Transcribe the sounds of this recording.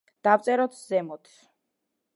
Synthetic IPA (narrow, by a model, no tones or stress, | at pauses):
d̪̥avt̪sʼɛɾɔt̪szɛmɔd̪s